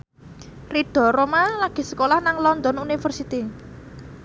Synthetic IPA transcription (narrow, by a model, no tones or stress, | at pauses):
riɖ̥ɔ̤ɾomalaɡ̥i̤sə̥kolahnaŋlɔnd̪ɔnunifərsit̪i